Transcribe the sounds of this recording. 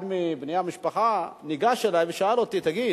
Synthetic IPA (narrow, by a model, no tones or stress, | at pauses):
d̪mibnijamiʃpaχaniɡaʃelajveʃaalot̪it̪aɡi